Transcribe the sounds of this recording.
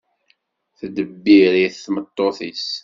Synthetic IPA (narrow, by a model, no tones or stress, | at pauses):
θəd̪əbːiɾiθθmət̪ˤːoθis